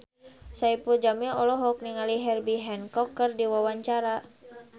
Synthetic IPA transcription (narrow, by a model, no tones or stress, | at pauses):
saipud͡ʒamiɔlɔɦɔk̚niŋaliɦɛrbiɦɛnkɔkːərdiwawaɲt͡ʃaɾa